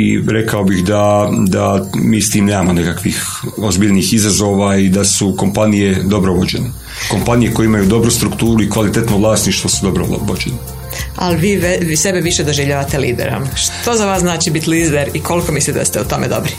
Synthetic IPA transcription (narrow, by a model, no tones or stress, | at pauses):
ḭɾe̞kaobixd̪ad̪amiːst̪iːmne̞ːmamo̞nekakʋix | ozbiːʎniːxizazo̞ːʋaid̪asuko̞mpanije̞d̪o̞bɾoʋo̞d͡ʑe̞̰ne | ko̞mpanije̞ko̞jeimajud̪o̞bɾust̪ɾukt̪uːɾuikʋalit̪et̪noʋlˠaːsniʃt̪ʋosud̪obɾoo̰ʋod͡ʒene | a̰lʋiːʋsebeʋiʃed̪oʒiʋʎaʋat̪eliːd̪ḛɾo̰mʃt̪ozaʋaːsznaːt͡ʃibit̪liːzd̪eɾikʰo̞liko̞mislit̪d̪a̰st̪eut̪o̞med̪o̞̰bɾi